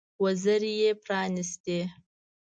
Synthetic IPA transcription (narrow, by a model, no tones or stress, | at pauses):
wɐzɐɾijepʰraːnɨstʰʼe